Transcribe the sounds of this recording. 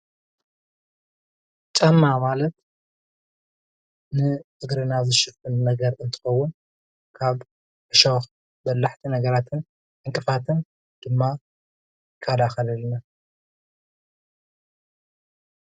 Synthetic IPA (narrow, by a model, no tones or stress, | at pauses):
t͡ʃʼɐmːamalɐt̪ | nɨʔɨɡɾɨnazɨʃɨfɨnːɐɡɐɾɨnt̪ʰɨ̥xɐwːʊn | kʰaβ | ʔɨʃox | bɐlːaħt̪ʰinɐɡɐɾat̪ʰɨn | ʔɨŋkʼɨfat̪ʰɨn | d̪̥ɨmːa | kʰːad̪axɐlɐlna